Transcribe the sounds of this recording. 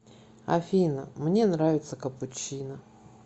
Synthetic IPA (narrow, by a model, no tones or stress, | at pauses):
ɐ̰fʲinəmnʲe̞nɾavʲɪt̪səkəpʊt͡ɕːinə